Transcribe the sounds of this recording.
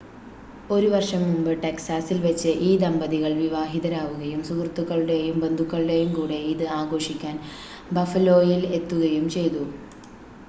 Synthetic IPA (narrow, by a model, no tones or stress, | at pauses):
o̞ɾuʋɐrʂɐmːumbɨʈeksaːsilʋɐt͡ɕːɨʔiːd̪ɐmbɐðiɣɐɭʋiʋaːɦiðɐɾaːʋuɣɐjumsukrɐt̪ːukːɐɭuɽe̞jumbe̞nd̪ʱukːɐɭuɽejumkuːɽe̞iðɨaːɡo̞ːʂikʲːaːn | bɐfɐlo̞ːjile̞t̪ːuɣɐjumt͡ɕe̞jt̪u